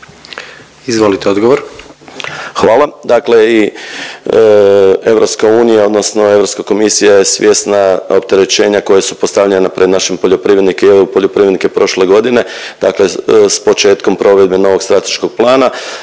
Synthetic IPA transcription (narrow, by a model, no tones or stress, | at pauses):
izʋolit̪eod̪ɡoʋoɾ | xʋaːlˠad̪akle̞i | e̞ʋɾo̞pskauːnijao̞d̪nosno̞e̞vʋɾo̞pskako̞misijajesʋjʔe̞snaop̚t̪e̞ɾe̞t͡ʃe̞ːɲako̞jesupo̞st̪aʋʎenapɾed̪naʃempoʎo̞pɾiʋje̞d̪nikeepoʎopɾiʋjed̪nikepɾo̞ʃle̞ɡo̞d̪ine̞d̪akle̞spo̞t͡ʃe̞ːt̪ko̞mpɾʔo̞ʋe̞d̪̚beno̞ʋo̞ɡst̪ɾat̪e̞̥ʃkoɡ̥̚plˠaːna